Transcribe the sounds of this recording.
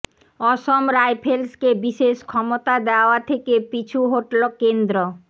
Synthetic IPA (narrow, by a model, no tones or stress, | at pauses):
ɔʃomɾajpʰelskebiʃeʃkʰɔmot̪ad̪eaoat̪ʰekepit͡ɕʰuɦoʈlokend̪ɾo